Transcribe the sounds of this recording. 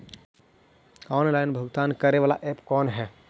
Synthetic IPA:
ɔːnlaːɪnbʱəɡt̪aːnkəɾeʋaːla̰ʔeːpkɔːnɦɛ

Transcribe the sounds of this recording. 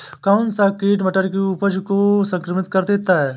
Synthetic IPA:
kansaːkiːʈməʈəɾkiupəd͡ʒkosə̃ŋkɾəmɪt̪kəɾd̪eːt̪aɦɛː

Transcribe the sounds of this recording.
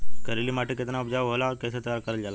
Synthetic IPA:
kəɾilimaːʈekɪt̪naʊpd͡ʒaːʋɦolaɔɾkeːset̪əjaɾkəɾəld͡ʒaːla

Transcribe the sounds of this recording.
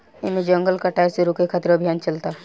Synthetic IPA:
ɪmẽd͡ʒɐ̃ŋɡəlkɐʈaːseɾokekʰat̪ɪɾɐbʱijaːnt͡ʃɐlt̪aɦ

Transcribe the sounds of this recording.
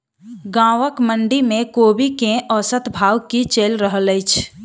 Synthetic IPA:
ɡãːʋəkmə̃ɳɖimẽkoːbikẽʔɔsət̪bʱaːwkit͡ʃeːlɾəɦləɪt͡ʃʰ

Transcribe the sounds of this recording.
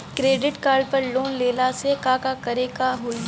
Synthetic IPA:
kɾeːɖɪʈkaːɾɖpɐɾloːnleːlasekaːkakɐɾeːkaɦoi

